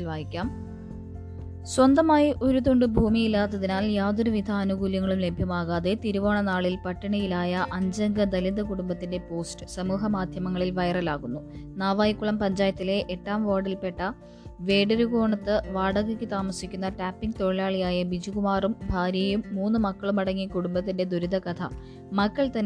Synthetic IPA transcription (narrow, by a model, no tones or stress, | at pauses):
lʋaːjikʲːaːm | swɐnd̪ɐmaːjiʔo̞ɾuðo̞ɳɖɨbʱuːmijilːaːt̪ːɐðinaːljaːd̪oɾuʋid̪ʰʱɐːnuɣuːljɐŋːɐɭumle̞bʱjɐmaːɣaːðe̞t̪iɾuʋoːɳɐnaːɭilpɐʈːɐɳɐjilaːjɐʔɐɲd͡ʑɐŋɡɐd̪ɐliðɐkuɽumbɐt̪ːinde̞po̞ːstɨ̥sɐmuːɦɐmaːd̪ʱjɐmɐŋːɐɭilʋɐjɐrɐlaːɣunːunaːʋaːjikːuɭɐmpɐɲd͡ʑaːjɐt̪ːile̞ʔːʈːaːmʋoːɽilpe̞ʈːɐ | ʋe̞ːɽɐɾuɣoːɳɐt̪ːɨʋaːɽɐɣɐkʲːɨt̪aːmɐsikʲːunːɐʈaːpːiŋɡt̪o̞ɭilaːɭijaːjɐbid͡ʑiɣumaːrumbʱaːɾjɐjumːuːnːɨmɐkːɐɭumɐɽɐŋːikuɽumbɐt̪̬ːinde̞d̪uɾud̪ɐkɐt̪ʰɐ̰ | mɐkːɐɭt̪ɐnː